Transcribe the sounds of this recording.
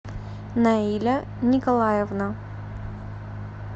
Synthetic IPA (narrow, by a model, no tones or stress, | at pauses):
nɐilʲɐ | nʲɪkɐlˠajɛvnə